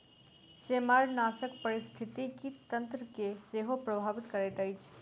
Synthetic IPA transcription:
seːmaːɾnaːsəkpɐɾɪst̪ʰɪt̪ikit̪ɐ̃nt̪ɾəkeseːɦopɾɐbʱaːʋɪt̪kɐɾeːt̪ɐit͡ʃʰ

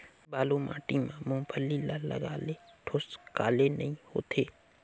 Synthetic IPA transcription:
baːlumʔã̰ːʈimãmõːpʰəlːilalə̰ɡaːleʈʰoːskaːlenəĩho̰ːt̪ʰeː

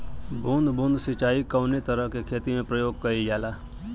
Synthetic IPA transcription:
bʱũːnd̪bʱũːnd̪sɪt͡ʃaːikəʊnet̪əɾəɦkekʰeːt̪imẽpɾəjoːɡ̚kəijaːlaː

